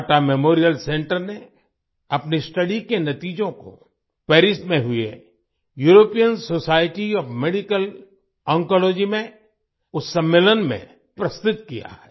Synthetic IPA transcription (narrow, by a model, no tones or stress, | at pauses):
ʈamemoːɾijəlsẽːɳʈəɾne | ɐpnisʈɐɖikenɐt̪iːd͡ʒõko̰ | pɛːɾɪsʈmẽɦʊḛ | juːɾoːpijənsoːsaːɪʈiɔːfmeːɖikəl | ɔ̃ːŋkɔloːd͡ʒimẽ | ʊsːə̃mːeːlənmḛ̃ | pɾɐst̪ʊt̪̚kḭja̰hɛː